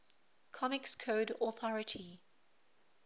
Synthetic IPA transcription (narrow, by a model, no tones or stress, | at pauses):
kʰɔmɪkskʰoːdɔθɔɹɪtʰi